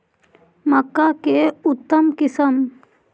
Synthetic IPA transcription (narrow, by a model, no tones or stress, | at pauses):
mɐkːakeut̪ːɐmkɪsəm